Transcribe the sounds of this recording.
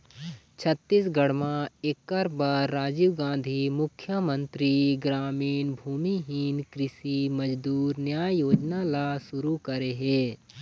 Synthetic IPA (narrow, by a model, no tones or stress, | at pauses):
t͡ʃʰət̪ːisɡəɽmãekːəɾbaɾːaːd͡ʒiʋɡãːnd̪ʱimʊkʰːjəmə̃nt̪ɾiɡɾaːmiːnbʱuːmiɦiːnkɾɪsiməd͡ʒd̪uːɾnjaːjoːd͡ʒnalasʊɾukəɾeɦeː